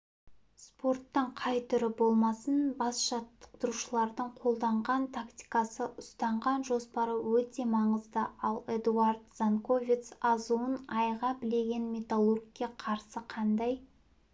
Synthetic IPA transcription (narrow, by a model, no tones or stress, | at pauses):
spo̞rt̪ːəɴqʰɑjt̪ʰʏɾɪbo̞lˠmɑsənbɑsʒɑt̪ːə̥q̚t̪əɾuʃəlˠɑɾd̪əɴqʰo̞lˠd̪ɑɴʁɑnt̪ʰakt̪ʲi̥kɑsəʔʊst̪ɑɴʁɑnʒo̞spɑɾəwɵt̪e̞mɑɴəzd̪əɑlˠed̪uard̪z̥anko̞vʲit̪sɑzuənɑjʁɑbɪle̞ɡʲe̞nmʲe̞t̪alˠorɡkʲːeqʰɑɾsəqʰɑnd̪ɑj